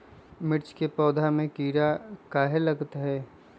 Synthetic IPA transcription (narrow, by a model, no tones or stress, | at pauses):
mɪɾt͡ʃkepɔːd̪ʱamẽkiːɾakaːɦelɐɡt̪ɦɛː